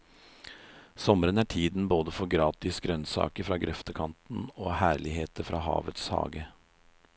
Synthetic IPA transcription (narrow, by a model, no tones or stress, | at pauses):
sɔməɾənæʈʰiːd̪n̩boːd̪əfɔɾɡɾɑːt̪ɪsɡɾœnsɑ̰ːkəɾfɾɑːɡɾʔɛft̪əkʰɑnt̪n̩oːhæːɭɪheːt̪əɾfɾɑ̰ːhɑ̰ːʋət̪shɑ̰ːɡə